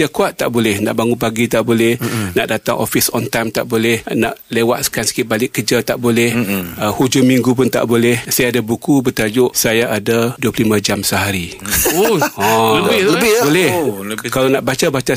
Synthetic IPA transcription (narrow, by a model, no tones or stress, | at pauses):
sajakuat̪ːaʔbolɛhna̰ʔbaŋupaɡit̪aʔbolɛhnaʔdat̪a̰ŋʔɔ̰fɪsɔnt̪ajmt̪a̰ʔbolɛhna̰ʔlewaʔ̪sə̥kansə̥kɪt̪̚balɪʔkːəd͡ʒat̪aʔbolɛhəhud͡ʒʊmiŋɡup̬ʊnt̪a̰ʔbolɛhsajaːdabukubət̪ad͡ʒʊʔsajaʔːdaduəpəlimãd͡ʒamsəɦaɾi | ləbɪəbɪbolɛhkalanaʔbat͡ʃabat͡ʃa